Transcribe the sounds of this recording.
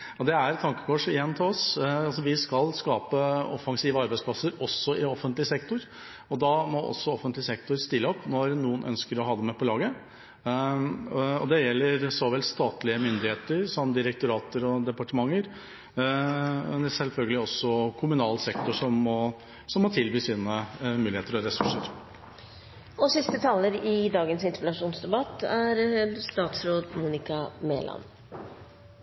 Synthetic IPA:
ɔd̪ɛæɾt̪ʰɑŋkə̥kʰɔʂɪjɛnːt̪ʰɪlɔsɑls̬ɔʋɪskɑlskɑːpəɔfɑŋsiːʋəɑɾbæɪspʰlɑsəɾɔsːɔʔɪɔfənt̪lɪəsɛkt̪ʊɾ | ɔd̪ɑmɔʔɔ̰sːɔɔfənt̪lɪsɛkt̪ʊɾst̪ɪlːəɔpːnɔɾnuːənʔœ̰nskəɾɔɦɑːd̪əmɛpɔlɑːɡə | ɔ̰d̪ɛjɛlːəɾsɔʋɛlst̪ɑːt̪lɪəmʏnd̪ɪheːt̪əɾsɔmːd̪ɪɾək̚t̪ʊɾɑːt̪əɾɔd̪ɛpɑʈəmɑŋːəɾ | ɛsɛlfœlɡəlɪɔsːɔkʰʊmʉnɑːlsɛk̚t̪ɔʂɔmːɔ | sɔmːɔt̪ʰɪlʋiːsiːnəmʉːlɪheːt̪əɾɔɾɛsʉʂəɾ | ɔsɪst̪ət̪ʰɑlːəɾɪd̪ɑːɡənsɪnspɪlɑʂuːnsd̪ɛbɑt̪ːæɾst̪ɑːt̪sɾoːd̪muːnɪkɑmḛːlʔɑ̰n

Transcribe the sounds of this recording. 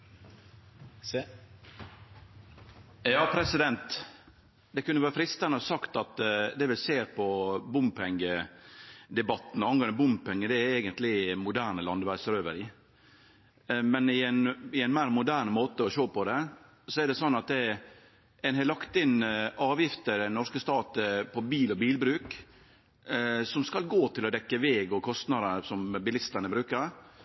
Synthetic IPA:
jɑːpʰɾɛsɪd̪ɛnt̪ | d̪ɛkʰʉnːəʋæːɾəfɾɪst̪ənəɔsɑkt̪ɑt̪d̪ɛʋɪlseːɾpʰɔbʊmpʰɛŋɡə | d̪ɛbɑt̪ːn̩ɑnɡɑnəbʊmpɛŋːəd̪ɛæɾɛːɡənt̪lɪmʊd̪æːɳəlɑnd̪ʋæːɾsəɾøːʋəɾɪ | mɛnɪnɪɛɪnmæːɾmʊd̪æːɾɳmoːt̪əɔʃoːpɔd̪ɛ | sɔɛɖ̪ɛsɔnːɑt̪̚d̪ɛ | ɛnɦɛlɑkt̪ɪnʔɑːʋjɪft̪əd̪ɛnːɔɾskəst̪ɑːt̪əpʰɔbiːlɔbiːlbɾʉːk | sɔmskɑlɡoːt̪ʰɪlɔd̪ɛkːəʋɛːɡɔkʰɔst̪nɑd̪əəsɔmbɪlɪst̪əɳəbɾʉːkəɾ

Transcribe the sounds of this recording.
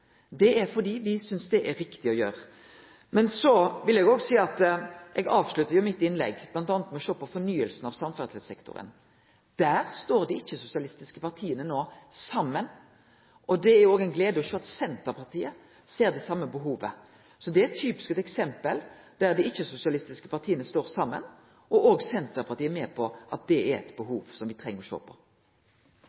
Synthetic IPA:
d̪ɛæɾfɔd̪iːʋɪsʏnsd̪ɛʔæɾɪkt̪ɪɔjøːɾə | mɛnsɔʋɪlɛɡoːɡsiːɑt̪ʔɛɡɑːʋslʉt̪ːəɾjʊmɪt̪ːɪnlɛ̰ɡblɑnt̪ɑːnət̪mɛɔʃoːpʰɔfɔnyːəlsn̩ɑʋsɑmfæʁt̪lsɛkt̪ʊ̰ɾə̰n | d̪̥æːʁst̪oːɾd̪ɪɪçːəsʊsɪɑlɪst̪ɪskəpɑɾt̪ʰiːənənoːsɑmːən | ʔɔd̪ɛæjʊoːɡɛɪnɡleːd̪əɔɕøːɑt̪sɛnt̪əɾpʰɑʁt̪ʰiːə | seːɾd̪ɛsɑmːəbəɦuːʋə̰ | sɔd̪ɛæɾɛt̪ʰːyːpɪ̥skɛt̪ɛksɛmpəl | d̪̥æʁd̪ɪɪçːəsʊsɪɑlɪst̪ɪskəpɑt̪ʰiːənəst̪oːɾsɑmːə̰n | ɔʔoːɡsɛnt̪əɾpʰɑɾt̪iːəmɛːpʰɔʔɑt̪̚d̪ɛæɾɛ̰t̪bəɦuːʋsɔmʋɪt̪ʰʁɛŋːəɾɔʃo̰ːpʰɔ̰

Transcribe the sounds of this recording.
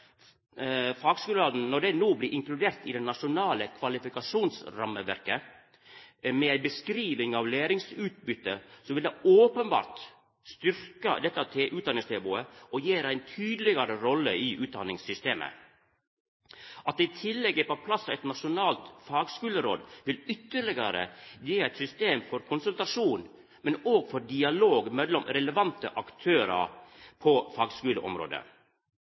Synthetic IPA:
fɑːɡskʉːləɾoːd̪n̩nɔɖɛnoːblɪʔɪŋklʉd̪eːɾt̪ɪd̪ɛnɑʂʊnɑːləkʰʋɑlɪfɪkɑʂuːnsɾɑməʋæ̰ɾkə | mɛæɪbəskɾiːʋɪŋɑʋleːɾɪŋsʉːt̪̚bʏt̪ːəsɔʋɪld̪ɛoːpənbɑ̰ːɾt̪ | st̪ʏɾkə̰d̪ɛt̪ːəɑt̪ʰeʔʉːd̪ɑnɪŋst̪ɛbuːəɔjeːɾæɪnt̪ʰyːd̪əlɪɡəɾəɾɔlːəɪʔʉːt̪̚d̪ɑ̰nːɪŋsʏst̪eːmʔə̰ | ʔɑt̪̚ɛɪt̪ʰɪlːɛɡːəpɔpʰlɑsæɪt̪nɑʂʊnɑːlt̪fɑːɡskʉːləɾoːd̪ʋɪlʏt̪ːəɭɪɡɑɾə̰jeːæɪt̪sʏst̪eːmfɔɾkʰʊnsʉlt̪ɾɑʂuːn | mɛnoːɡfɔɾdɪɑloːɡmɛlːɔmɾɛləʋɑnt̪ə̰ʔɑkt̪ʰøːɾɑ̰ɾpʰɔfɑːɡskʉːlə̰ʔɔ̰mɾo̰ːd̪ə̰

